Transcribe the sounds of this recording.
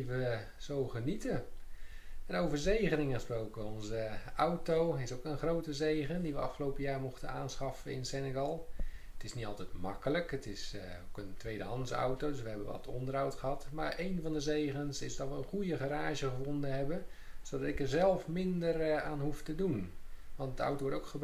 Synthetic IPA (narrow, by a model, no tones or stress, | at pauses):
iʋə | z̥owχənitə | ənowvəɹzejχənɪŋəχəsprowkəɔnzəawtowɪsowkənχrowtəzejχəndiʋəɑ̰fχəlowpəjaːɹmɔχtənaːnsχɑfəɪnsɛnəɡɑlˠətɪsnitɑlˠtɛjtmɑ̰kələkətɪsokəntʋejdəɦɑnsa̰wtowdʏsʋəɦɛbənʋɑ̰tʰɔ̰ndərɦawtχəɦɑtmaːɹejnvɑndəzejχənsɪzdɑtʋəənχujəχaɾaːʒəχəvɔndənɦɛbən | z̥odɑtɪkɛɹzɛlˠfmɪndəraːnɦuftədunʋɑntdəa̰wtowʋɔɹtowkχəb